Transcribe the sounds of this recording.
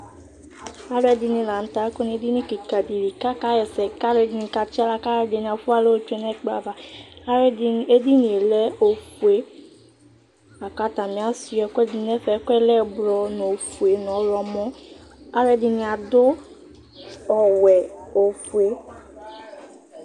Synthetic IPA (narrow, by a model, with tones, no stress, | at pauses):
a˦lɛ˦di˨nĩ˨la˨n̩˨˦t̪a˨˦ko˦n˨˦e˦di˦nĩ˦ki˨ka˨di˨li˨ka˦ka˦jɛ˨sɛ˨ka˦le˦di˨˦nĩ˨ka˨t͡ʃi˦a˦la˦ka˦ɾɛ˦di˨nĩ˨a˨fu˦a˦le˦o˦tu˦e˦nɛ˦k͡pɾa̰˨ba˨a˦e˦di˦nĩ˨e˨lɛ˦o˨fu˨e˦ | a˨ka˦t̪a˨mĩ˦a˦si˨˦ɛ˨˦kɛ˦di˨nɛ˦fɛ˨˦kɛ˦lɛ˦˨bɾɔ˨no˨fu˨e˨nɔ̃˨˦ɾɔ˨mɔ̃˦a˦ɾɛ˦di˨nĩ˨a˨d̪ʊ˦ | ɔ˨wɛ˨o˨fu˨e˦